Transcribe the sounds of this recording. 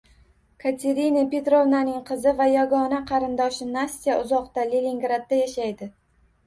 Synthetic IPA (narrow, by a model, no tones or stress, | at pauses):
kʰat̪ʲʰe̞ɾinape̞t̪ɾo̞vnanɪŋqʰɨzɪvajɒɡɒnaqʰɑɾɪnd̪ɒʃɪnasʲt̪ijaʔʊzɒqt̪alelʲiŋɡɾad̪̚ːajaʃajd̪ɪ